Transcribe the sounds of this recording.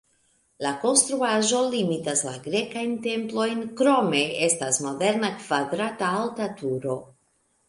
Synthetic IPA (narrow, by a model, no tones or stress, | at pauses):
lako̞nst̪ɾuaʒo̞limitaslaɡɾe̞kajnte̞mplo̞jnkɾo̞me̞e̞stasmo̞de̞ɾnakv̥adɾataːltatuɾo̞